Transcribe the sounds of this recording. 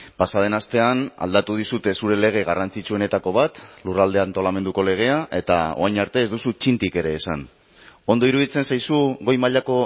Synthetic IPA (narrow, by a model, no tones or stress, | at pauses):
pasaβ̞e̞nast̪e̞ana̰ld̪at̪uð̞isut̪e̞suɾe̞le̞ɣ̞e̞ɣarant͡sit͡ʃuo̞ne̞t̪ako̞βat̪lurald̪eant̪o̞lame̞nd̪uko̞le̞ɣ̞e̞aʔe̞t̪a̰o̞̰ajɲaɾt̪e̞ːzðusut͡ʃint̪ike̞ɾe̞ːsan | o̞nd̪o̞iɾuðit͡se̞nsajsuɣo̞jmaʎako̞